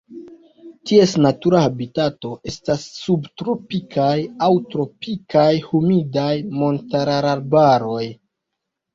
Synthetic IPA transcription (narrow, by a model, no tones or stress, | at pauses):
tie̞snatuɾahabitato̞ʔe̞stasːubtɾo̞pikʰajawtɾo̞pikajhumidajmo̞ntaɾaɾaɾbaɾo̞j